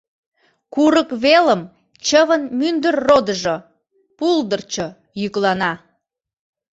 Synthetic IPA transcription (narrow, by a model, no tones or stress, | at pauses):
kuɾəkβeləm | t͡ɕəβənmynd̪ərːod̪əʒo | puld̪ərt͡ɕo | jyklɑnɑ